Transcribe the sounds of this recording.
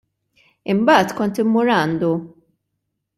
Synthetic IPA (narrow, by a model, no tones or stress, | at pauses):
ɪmbɐːt̪kɔnt̪ɪmːʊɾɐnd̪u